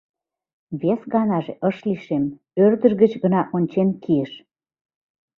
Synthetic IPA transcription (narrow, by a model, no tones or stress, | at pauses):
βesɣɑnɑʒeʔəʃliʃem | ørd̪əʒɣət͡ɕɣənɑʔonʲt͡ɕenkʰiəʃ